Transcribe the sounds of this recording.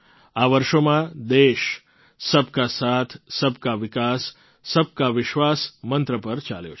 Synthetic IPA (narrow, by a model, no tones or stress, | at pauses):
aʋəɾʃomãd̪eʃ | səbkasat̪ʰsəbkaʋɪkasː | əb̚kaʋɪʃʋasmənt̪ɾəpəɾt͡ʃa̰ljo̰t͡ʃʰ